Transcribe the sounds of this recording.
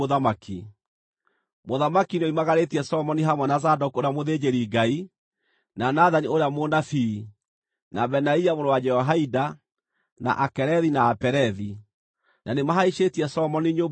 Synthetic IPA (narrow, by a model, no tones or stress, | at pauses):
oðamakʰi | moðamakinoimaɣaɾetiɛsɔmɔniɦamwɛnazadɔkoɾeamoðed͡ʑeɾiɡai | nanaðanioɾeamonafi | nabɛnaiamonowad͡ʒɛɔɦaida | na̰ʔakɛɾɛðinaːpɛɾɛði | nʔanemaɦaiʃetiɛsɔmɔniɲo